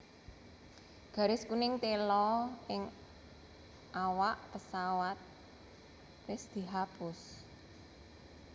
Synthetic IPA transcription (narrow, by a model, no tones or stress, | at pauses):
ɡ̥ä̤ɾɪskunɪŋt̪elɔʔɪŋ | ʔawaʔpəsawat̪̚ | wɪsd̪̥i̤ɦab̥ʊs